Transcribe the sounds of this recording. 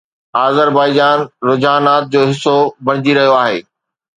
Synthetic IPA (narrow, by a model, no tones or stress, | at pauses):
aːzəɾbaːɪd͡ʑaːnɾʊd͡ʑaːnaːt̪̚d͡ʑoːɦɪsobɐɽ̃ɪd͡ʑiɾɐɦijoaːɦeː